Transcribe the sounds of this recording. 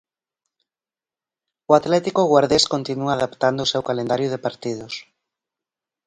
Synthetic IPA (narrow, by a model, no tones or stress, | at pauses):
ʊat̪lɛt̪ikoɣwaɾðeskont̪inuaðapt̪and̪oːsewkalẽnd̪aɾjʊð̞epaɾt̪iðʊs